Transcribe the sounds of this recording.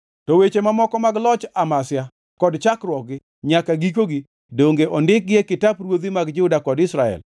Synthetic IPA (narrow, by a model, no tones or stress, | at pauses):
tɔwet͡ʃemamɔkɔmaɡlɔt͡ʃamasja | kɔdt͡ʃakɾwɔk̚ɡɪ | ɲakaɡik̬oɡi | doŋɡeʔɔndɪk̚ɡjekɪtapɾwod̪imaɡd͡ʒɪʊdakɔdɪsɾaɛ̰l